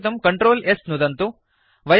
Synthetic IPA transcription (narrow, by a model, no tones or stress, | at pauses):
t̪ɐmkɐɳʈɾoːlesnud̪ɐnt̪u | ʋɐj